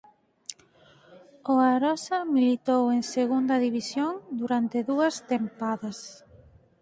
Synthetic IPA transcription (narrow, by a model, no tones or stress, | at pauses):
ʊaɾɔsɐmilit̪oweŋseɣund̪ɐðiβisjoŋd̪uɾant̪eðuɐst̪empaðɐs